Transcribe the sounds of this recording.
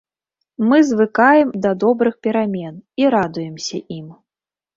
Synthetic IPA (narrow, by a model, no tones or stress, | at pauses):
mɨzvɨkajɛmd̪ɐd̪ɔbɾɨxpʲɛɾamʲɛniɾad̪ujɛmsʲɐʔim